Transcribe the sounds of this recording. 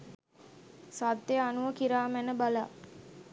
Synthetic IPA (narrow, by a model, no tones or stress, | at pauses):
sat̪ːeanuʋəkiɾaːmænəbala̰